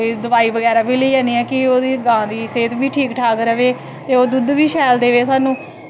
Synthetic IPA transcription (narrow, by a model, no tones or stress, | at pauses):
iːd̪əʋaːiːʋəɡɛːɾaːbiːləiːaːniːɛːkɪoːd̪iːɡãːd̪iːseːt̪biːʈʰiːkʈʰaːkɾəʋeː | t̪eːoːd̪ʊd̪ʋiːʃɛːld̪eːʋeːsaːnũː